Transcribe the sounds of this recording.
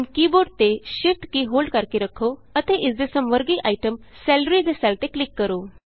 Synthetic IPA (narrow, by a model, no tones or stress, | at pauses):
nkiboɖt̪eɕifʈkiɦolɖkaɾkiɾəkʰoət̪eʔit͡sd̪esəmʋəɾɡiːʔaiʈəmsɛlɾid͡zesalt̪eklikːəɾo